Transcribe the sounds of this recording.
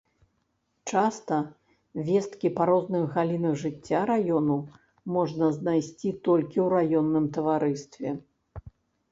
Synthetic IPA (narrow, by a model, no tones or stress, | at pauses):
t͡ʂast̪ɐ | vʲɛst̪kʲipaɾɔznɨxɣalʲinɐɣʐɨt͡sʲːaɾajɔnu | mɔʐnɐznajsʲt͡sʲit̪ɔlʲkʲiwɾajɔnːɨmt̪ɐvaɾɨst̪vʲɛ